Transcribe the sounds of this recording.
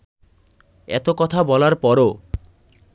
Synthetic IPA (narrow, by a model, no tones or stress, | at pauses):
ɛ̰t̪okɔt̪ʰabɔlaɾpɔɾo